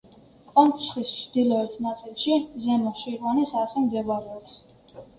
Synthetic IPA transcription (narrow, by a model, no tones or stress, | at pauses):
kʼɔmpʰsχist͡ʃʰd̪̥ilˠɔɛt̪ʰnat̪sʼilˠʃizɛmɔʃiɾvanisaɾχɛmd̪zɛvaɾɛɔps